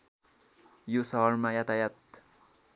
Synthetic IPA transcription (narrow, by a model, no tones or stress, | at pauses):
josʌɦʌɾmajat̪ajat̪̚